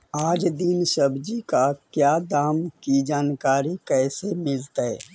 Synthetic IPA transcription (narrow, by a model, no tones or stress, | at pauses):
aːd͡ʒd̪insəbd͡ʒikakjaːd̪aːmkid͡ʒaːnkaːɾikɛːsemɪlt̪aɦɛː